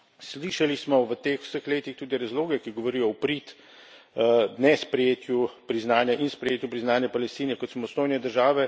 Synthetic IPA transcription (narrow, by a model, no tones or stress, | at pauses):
sliːʃalismɔʋət̪eːxw̥səxleːt̪ixt̪uːd̪iɾazloːɡɛkiɡɔʋɔɾiːjɔwpɾit̪ | nɛspɾɛjeːt̪jupɾiznaːnjaʔinspɾɛjeːt̪jupɾiznaːnjapalɛst̪iːnɛkɔt̪samɔst̪oːjnɛd̪əɾʒaːʋɛ